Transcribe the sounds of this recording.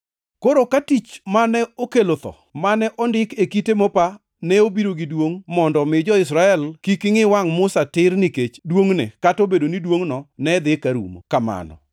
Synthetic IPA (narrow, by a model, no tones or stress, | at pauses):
koɾokatit͡ʃmanɛokelot̪ɔ̰ | manɛʔɔndɪkekitemɔpa | nɛobiɾoɡidwoŋmɔndɔmɪd͡ʒɔɪs̬ɾaɛlkikɪŋɪwaŋmʊsatɪrniket͡ʃdwoŋnḛkatobedonidwoŋnɔnɛd̪ɪkaɾṵmo̰kama̰nɔ̰